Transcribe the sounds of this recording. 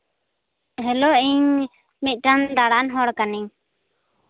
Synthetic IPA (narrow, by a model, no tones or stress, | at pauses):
ɦɛlɔʔiɲ | mic̪̚ˀʈand̪aɽanɦɔɽkaniɲ